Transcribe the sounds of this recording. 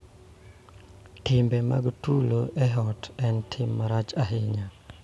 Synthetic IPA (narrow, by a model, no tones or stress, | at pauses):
tɪmbema̰ɡtuloʔɛɦɔtɛntʰɪmːaɾat͡ʃaɦɪɲa